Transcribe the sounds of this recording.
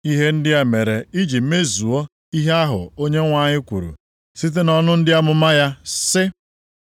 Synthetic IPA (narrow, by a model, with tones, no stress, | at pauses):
i˦ɦe˦n̩˦dɪ˦a˦me˨ɾe˨i˦d͡ʒi˨m̩˦me˦zu˨o˦ | i˦ɦe˦a˦ɦʊ̰˨o˦ɲe˦ŋʷa˨ɲɪ˦kʷṵ˨ɾṵ˨ | si˦t̬e˦nɔ˦nʊ˦n̩˦dɪ˦a˦mʊ˦ma˦ja˦sɪ˦